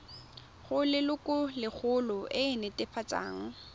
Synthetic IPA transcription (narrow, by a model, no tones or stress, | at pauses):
χʊlɪlʊkʼʊlɪk͡xʰʊlʊʔɪɪnɛtʼɪpʰat͡sʼa̰ːŋ̩